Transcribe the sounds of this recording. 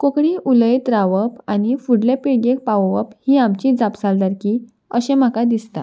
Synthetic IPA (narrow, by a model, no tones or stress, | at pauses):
kokɽiʔuləjt̪ɾaʋəpañifuɽlepiɽɡek̚paʋʋəphiːamt͡ɕid͡zapsald̪aɾki | əɕẽm̤akad̪ist̪a̰